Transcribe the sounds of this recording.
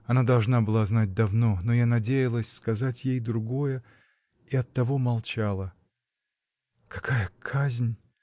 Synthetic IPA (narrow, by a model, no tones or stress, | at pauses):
ɐnad̪ɐlˠʐnabɨlˠaznat̚ʲd̪ɐvno̞nojanɐdʲejɪlˠəsʲskɐzatʲjejd̪ɾʊɡo̞jə | iɐt̪ːɐvo̞mɐlˠt͡ɕalˠə | kɐ̥kʰajəkʰazʲnʲ